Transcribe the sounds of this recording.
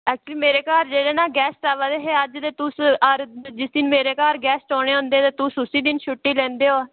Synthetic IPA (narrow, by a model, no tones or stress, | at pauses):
ɛːk̚t͡ʃliːmeːɾeːkaːɾd͡ʒeːɽeːnãːɡɛːsʈaːʋaːd̪eːɦeːəd͡ʒd̪eːt̪ʊsəɾd͡ʒɪsd̪ɪnmeːɾeːkaːɾɡɛːsʈoːɽeːɦʊ̃nd̪eːt̪aːt̪ʊːsʊsiːd̪ɪnʃʰʊʈːiːlɛ̃ːnd̪eːoː